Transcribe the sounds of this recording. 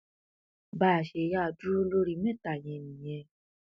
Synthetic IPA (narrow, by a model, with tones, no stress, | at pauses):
ba˨ʃɛ˨˦ja˧˨du˦lo˧˦ɾi˧˨˦mẽ˦˨t̪a˨jɛ̃˨mĩ˨jɛ̃˧˨